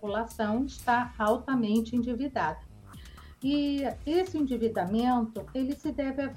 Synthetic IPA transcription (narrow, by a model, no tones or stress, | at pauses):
ulasɐ̃w̃ɪʃt̪aawt̪ɐmẽnt͡ʃɪĩd͡ʒivid̪ad̪ɐ | ɪesɪĩd͡ʒivid̪amẽnt̪ʊelɪsɪd̪ɛvɪav